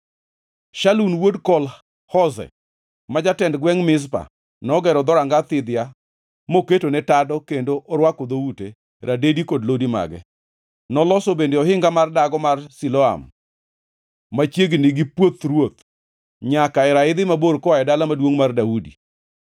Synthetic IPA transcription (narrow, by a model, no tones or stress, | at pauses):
ʃalunwodkɔl | hɔzɛ̰ | mad͡ʒatɛndɡwɛŋmɪs̬pa̰ | nɔɡɛɾɔd̪ɔɾaŋɡat̪ɪd̪ɪja | moketonɛtadɔkendoʔɔɾwakɔd̪oute | ɾʔadedikodlodima̰ɡɛ̰ | nɔlɔsobendeɔɦɪŋɡamardaɡɔmarsilɔa̰m | at͡ʃjeɡnɪɡɪpwot̪ɾwot̪ | ɲakaɛɾaɪd̪ɪmaboɾkɔaɛdalamadwoŋmardaudḭ